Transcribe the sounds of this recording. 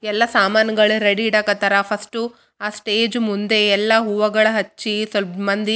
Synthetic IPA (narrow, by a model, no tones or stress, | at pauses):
ɛlːɐsaːmaːnɐɡɐɭuɾɐɽiɽɐkɐt̪ɐɾapʰɐsʈu | aːsʈeːd͡ʒmund̪e̞ɛlːɐɦuːʋɐɡɐɭɐɦɐt͡ʃːisɐlbɐnd̪i